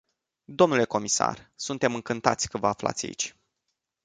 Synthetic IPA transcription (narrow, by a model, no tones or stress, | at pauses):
d̪o̞mnule̞ko̞misa̰rsunt̪e̞mɨŋkɨnt̪at̪sʲkəvəafla̰t̪sʲa̰ḭt͡ʃʲ